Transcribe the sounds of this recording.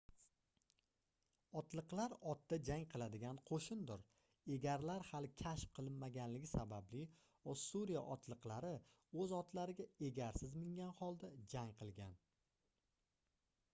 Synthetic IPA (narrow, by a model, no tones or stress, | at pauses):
ɒt̪lˠɨqlˠaɾɒt̪̚d̪ad͡ʒaŋqʰɨlˠad̪ɪɡʲanqʰoʃɪnd̪ʊɾ | e̞ɡʲaɾlaɾhalɪkʲʰaʃpqʰɨlˠɪnmaɡʲanlɪɡʲɪsabablɪ | osuɾija̰ʔɒt̪lˠɨqlˠaɾɪ | ɵzɒt̪laɾɪɡʲae̞ɡʲaɾsɪzmɪŋɡʲanhɒlˠd̪ad͡ʒaŋqʰɨlˠɡʲan